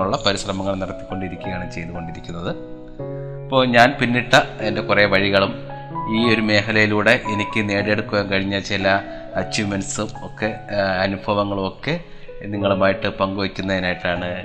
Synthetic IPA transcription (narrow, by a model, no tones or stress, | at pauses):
uɭːɐpɐɾiɕrɐmɐŋːɐɭniɽɐt̪ːi̥kʲːo̞ɳɖiɾikʲːuɣɐjaːɳɨt͡ɕe̞jnːuɣo̞ɳɖiɾikʲːunːɐðɨ | ɐpːo̞ːɲaːnpinːiʈːɐende̞kureʋɐɻiɣɐɭum | iːo̞ɾume̞ːkʰɐlɐjiluːɽe̞ʔenikʲːɨne̞ːɽieɽukːuɣɐmkɐɻiɲːɐt͡ɕilɐ | ɐt͡ɕːumensumo̞kːe̞ɐnubʱʰɐʋɐŋːɐɭumo̞kːe̞ | niŋːɐɭumaːjiʈːɨpɐŋɡuʋɐkʲːunːɐðinaːjiʈːaːɳɨ